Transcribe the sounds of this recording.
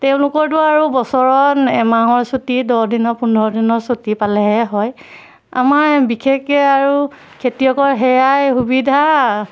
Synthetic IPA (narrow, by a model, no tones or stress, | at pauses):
tɛʊ̃lʊkɔɹtuaɹubɔsɔɹɔnɛmaɦɔɹsotidɔdinɔpundʱɔɹɔdinɔɹsotipalɛɦɛɦɔj | a̰maɹbikʰekɛaɹu | kʰetijɔkɔɹɦɛjajxubidʱa